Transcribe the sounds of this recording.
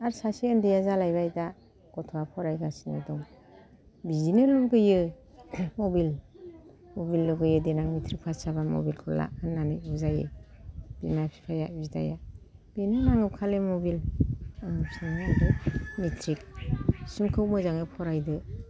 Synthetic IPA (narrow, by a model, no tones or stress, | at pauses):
aɾsasiɯndijazalajbajda | ɡ̥ɔtʰɔwapʰɔɾajɡasinɯdɔŋ | bizineluɡɯjɯ | mɔbil | mobilːuɡɯjɯdenaŋmitʰɾik̚pʰasaβamo̰bilkʰɯla̰ʔɯnːanɯuzajḛ | b̥imapʰi̥pʰajabizda̰ja | b̥inɯnaŋɯp̚kʰalemobil | ŋsɯŋadɯmitʰɾik̚simkʰɯwmɯzaŋɯpʰɔɾajdɯ